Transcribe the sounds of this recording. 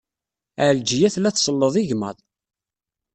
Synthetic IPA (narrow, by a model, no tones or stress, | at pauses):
əʕld͡ʒijæθlæθsˤəlːəðˤiʝmə̰ðˤ